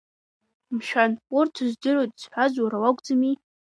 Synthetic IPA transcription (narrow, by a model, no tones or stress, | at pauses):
mʃᶣanʊrtʰɨzdɨɾotʼz̥ħʷazwaɾawakʷʼd͡zami